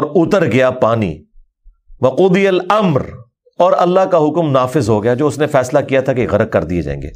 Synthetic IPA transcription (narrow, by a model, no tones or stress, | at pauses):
ɔɾʊt̪əɾɡɐjapaːnḭ | ʋɐquːd̪ijəlɐmɾ | ɔːɾɐ̰lːaɦkaɦʊkmnaːfɪzɦoɡɐjad͡ʒoːʊsnefɛːslakijat̪ʰakeɣɐɾət̪̚kɐɾd̪iḛd͡ʒã̰ːḛ̃ːŋɡḛː